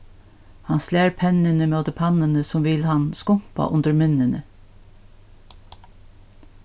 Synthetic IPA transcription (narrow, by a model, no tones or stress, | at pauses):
hɑnslæːɾpʰɛnənəmeod̪əpʰɑnənəsɔmʋɪlhɑnskʊmpɑ̰ʔʊnd̪əɾmʏnənə